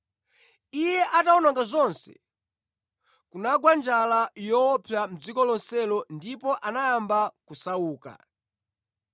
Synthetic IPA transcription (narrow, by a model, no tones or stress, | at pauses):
ijɛʔataɔnɔŋɡazɔnsɛ̰ | kunaɡwand͡ʒalajɔːpʰjam̩d͡zikɔlɔnsɛlɔndipɔʔanajːmbakusauːka̰